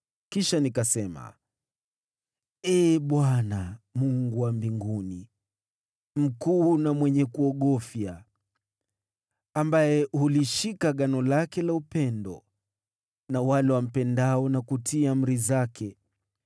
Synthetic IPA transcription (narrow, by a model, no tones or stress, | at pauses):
kiʃanikasɛma̰ | ɛɓwanamuŋɡuwambiŋɡuni | m̩kuːnamwɛɲɛkuɔɠɔfja | ambajɛhuliʃikaɠanɔlakɛlaupɛndɔ̰ | nawalɛwam̩pɛndaɔnakutʰiam̩ɾizakʰɛ